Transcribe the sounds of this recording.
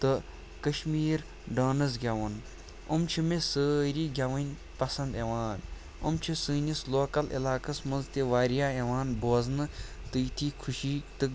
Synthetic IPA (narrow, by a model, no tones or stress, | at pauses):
t̪ɨ | kɐʃmiːɾ | ɖaːnɐzɡʲɐʋɐn | umt͡ʃʰimesəːɾiːɡʲaʋɐnʲ | pɐsɐnd̪eʋaːn | umt͡ʃʰisɨːnʲisloːkɐlḭlaːkɐsmɐnzt̪ʲeʋaːɾijaːeʋaːnboːznɨ | t̪ɨjt̪ʰiːkʰuʃiːt̪ɨ